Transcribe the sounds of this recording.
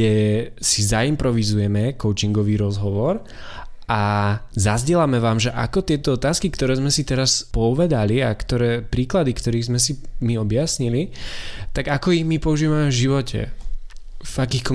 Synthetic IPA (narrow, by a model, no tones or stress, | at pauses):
ɛsizaimpɾɔʋizujɛmɛkɔʊt͡ʃiŋɡɔʋiːɾɔzɦɔʋɔɾ | azazɟɛlamɛʋaːmʒɛʔakɔt̪ɪɛt̪ɔɔt̪aːskikt̪ɔɾɛːzmɛsit̪ɛɾaspɔuʋɛd̪aliakt̪ɔɾɛːpɾiːklad̪ikt̪ɔɾiːɣzmɛsimiɔbjasɲilit̪aɡakɔiɣmipɔuʒiːʋamɛvʒiʋɔcʰɛ̰ | vakiːxkɔ